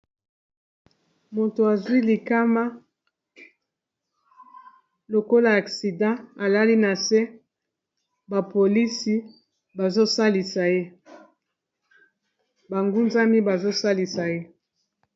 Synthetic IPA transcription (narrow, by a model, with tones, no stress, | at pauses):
mo˨to˨a˨zwi˦li˨ka˦ma˦ | lo˨ko˦la˨a˨ksi˨dã˦a˨la˦li˦na˨se˦ | ba˨po˨li˦si˦ | ba˨zo˦sa˦li˨sa˨je˦ | ba˨ŋɡu˦nza˦mi˦ba˨zo˦sa˦li˨sa˨je˦